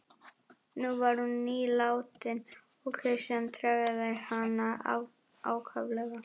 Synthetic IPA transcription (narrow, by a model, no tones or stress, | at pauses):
nuvaɾhunːiːlaːwt̪ɪn | ɔɣkʰɾɪsant̪ʰɾaɣɪðahanaa̰ | a̰ːwkʰavlɛɣa